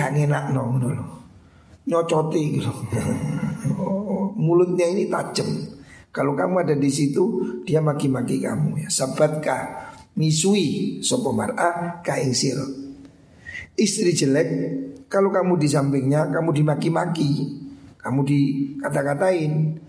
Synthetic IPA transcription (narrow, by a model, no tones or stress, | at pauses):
kaʔŋenaʔnɔɡəd̪ɔl | ɲɔt͡ʃɔt̪iɡit̪u | mulʊt̪̚ɲainit̪ad͡ʒəm | kalokamuadadis̬it̪ud̥iamakimakika̰mujasabat̪̚kahmisuisopɔma̰rʔakaɪŋsɪr | ist̪ɾid͡ʒəlɛkːalokamudis̬ampɪŋɲakamudimakimakikamudikat̪akat̪aɪn